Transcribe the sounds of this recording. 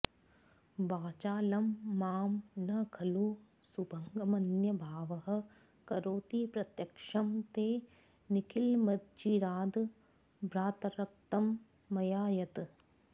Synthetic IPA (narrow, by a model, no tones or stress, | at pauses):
baːt͡ʃaːlɐmːaːmnɐkʰɐluː | subʱɐŋɡɐmɐnjɐbʱaːʋɐɦɐ̆ | kɐɾoːt̪iːpɾɐt̪jɐkʂɐmt̪eː | nikʰilmɐd̪d͡ʒiɾaːd̪ | bɾaːt̪ɐɾɐk̚t̪ɐmː | ɐjaːjɐt̪